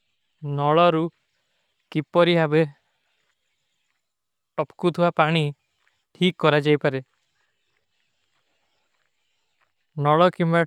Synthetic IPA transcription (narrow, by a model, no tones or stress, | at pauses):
nɔɭɔɾu | kipɔɾiɦabe | ʈɔpkut̪ʰiwapaɽ̃i | ʈʰikːɔɾad͡ʒajpaɾe | nɔɭɔkima